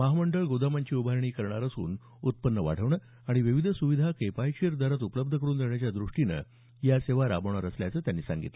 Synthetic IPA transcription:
məɦaməɳɖəɭɡod̪amaɲt͡ɕiːubʱaɾɳ̃iːkəɾɳaɾəsṵːn | ut̪̚pənːəʋa̰ɽ̤əʋɳə | aɽ̃iʋiʋid̪ʱəsuʋid̪ʱakepajkeɾd̪aɾat̪upələb̚d̪ʱəkəɾuːnd̪eɳjat͡ɕjad̪ɾuʂʈinə̰ | jaseʋaɾa̰bəɳ̃əɾəslja̰t͡səːt̪janːiːsa̰ŋɡḭt̪lə

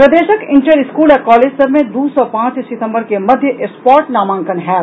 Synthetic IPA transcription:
pɾɐd̪eːʃəkɪ̃ɳʈəɾɪskuːlɛkɔːleːd͡ʒsɐɾmẽd̪uːsɔpãːt͡ʃsɪt̪ə̃mbəɾkemɐd̪ʱjəʔespɔːɾʈnaːmãːŋkənɦɛː

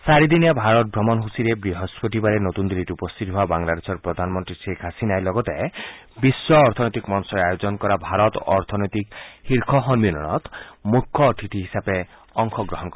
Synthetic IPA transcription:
saɾid̪inabʱaɾɔt̪̚bʱɾɔmɔnɦusiɾebɾiɦɔspoʈibaɾenot̪und̪ilitiupɔst̪ʰit̪ɔɦoabaŋlad̪esʰɔɾpɾɔd̪ʱanmɔnt̪ɾisekʰasinajlɔɡɔt̪e | bisːɔːɾt̪ʰɔnɔjt̪ikmɔnsɔɾeajod͡ʒɔnkɔɾabʱaɾɔt̪ɔɾt̪ʰɔnɔjt̪ikhiɾkʰɔɦɔnmilɔɽ̃ɔ̰t̪mukʰːɔʈʰiʈ̪ʰiɦisabe | ɔŋkʰɔɡɾɔɦɔnkɔɾa

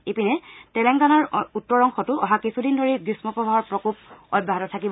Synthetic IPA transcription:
epinɛtɛlɛŋɡanaɹutːɔɹɔŋxʰɔtʊɔɦakisʰudindoɹiɡɹismɔpɔbʱaɦɔɹpɹɔkup̚ɔbʱaɦɔtɔtʰakibɔ

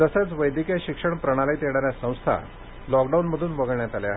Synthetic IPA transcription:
t̪əset͡sʋəjd̪ʱikjaɕikʂəɳpɾəɽ̃alajt̪eɽ̃aɾjasə̃w̃st̪ʰa̰ | lɔkɖaunməd̪ʱuːnʋəɡəɭɳjat̪aleaɦ

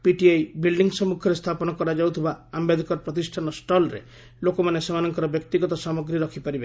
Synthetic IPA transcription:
piʈiajbilɖiŋɡsɔmukʰɔɾest̪ʰapɔnɔkɔɾad͡ʒawt̪ʰibaambed̪ʱikɔɾpɾɔt̪̬isʈʰanɔsʈɔlɾḛ | lokɔmanesemanɔŋkɔɾɔbjɔk̚t̪iɡɔt̪ɔsamɔɡɾiɾɔkʰipaɾibe

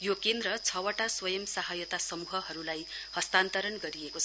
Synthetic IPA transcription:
jokend̪ɾʌt͡sʰʌwaʈaswʌjʌmsaɦajʌt̪asʌmuɦʌɦʌɾulajhʌst̪ant̪ʌɾʌnɡʌɾiekot͡sʰ

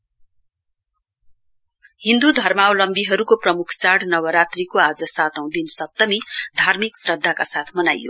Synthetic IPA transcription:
hind̪ud̪ʱʌrmawlʌmbiɦʌɾukoprʌmukʰt͡saɽnʌwʌɾat̪rikoad͡zʌsat̪ʌw̃d̪insʌt̪ːʌmid̪ʱarmiksrʌd̪ʱːakasat̪ʰmʌnajjo̰

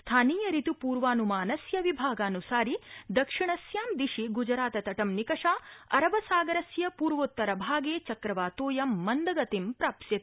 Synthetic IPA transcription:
st̪ʰaːniːjɐɾit̪upuːɾʋaːnumaːnɐsjɐʋibʱaːɡaːnusaːɾid̪ɐkʂiɳɐsjaːmd̪iʃiɡud͡ʒɾaːt̪ɐt̪ɐʈɐmnikɐʂaːɐɾɐbɐsaːɡɐɾɐsjɐpuːɾʋot̪ːɐɾɐbʱaːɡeːt͡ʃɐkɾɐʋaːt̪oːjɐmːɐnd̪ɐɡɐt̪impɾaːpsjɐt̪

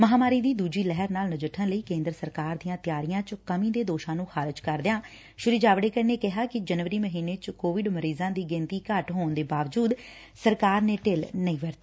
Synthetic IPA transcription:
məɦaːmaːɾiːd̪iːd̪uːd͡ʒiːlɛɦəɾnaːlnəd͡ʒəʈʰːənləiːkẽːnd̪ɾəsəɾkaːɾd̪ijãːt̪ɪjaːɾijãːt͡ʃkəmĩːd̪eːd̪oːʃãːnũːxʰaːɾɪd͡ʒkəɾd̪ɪjãː | ʃʊɾɪd͡ʒaːʋɽeːkəneːkɪɦaːkɪd͡ʒənʋəɾiːməɦiːneːt͡ʃkoːʋɪɖməɾiːzãːd̪iːɡɪ̃nt̪iːkəʈɦoːnd̪eːbaːʋd͡ʒuːd̪ | səɾkaːɾneːʈɪlnəĩːʋəɾt̪eː

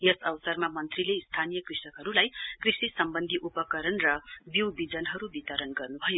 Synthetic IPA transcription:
jesʌwsʌrmamʌnt̪rileist̪ʰanijʌkrisʌkɦʌɾulajkrisisʌmbʌnd̪ʱiʔupʌkʌɾʌnrʌbiwbid͡zʌnɦʌɾubit̪ʌɾʌnɡʌrnubʱʌjo

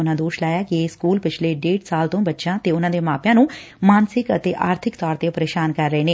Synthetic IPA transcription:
ʊnãːd̪oːʃlaːjaːkɪeːskuːlpɪt͡ʃʰleːɖeːɖsaːlt̪õːbətːʃãːt̪eːʊnãːd̪eːmaːpjãːnũː | maːnsɪkə̰t̪eːʔaːɾt̪ʰɪkt̪ɔːɾt̪eːpəɾeːʃaːnkəɾːəeːneː

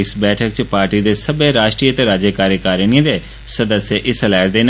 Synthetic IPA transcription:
ɪsbɛːʈʰək̚t͡ʃpaːɾʈid̪eːsəbeɾaːʃʈɾiːət̪eɾaːd͡ʒəkaːɾjəkaːɾənĩd̪eː | səd̪əsjeʔɪsəlɛːɾd̪eːn

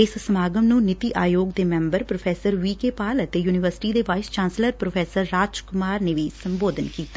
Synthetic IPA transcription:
ɪssəmaːɡəmnũːnɪt̪iʔaːjoːɡd̪eːmɛ̃ːmbəɾpɾoːpʰɛːsəɾʋiːkeːpaːlət̪eːjuːnɪʋəɾsɪ̥ʈiːd̪eːʋaːɪst͡ʃãːnsləɾpɾoːpʰɛːsəɾːaːd͡ʒkʊmaːɾneːʋiːsəmboːd̪ənkiːt̪aː

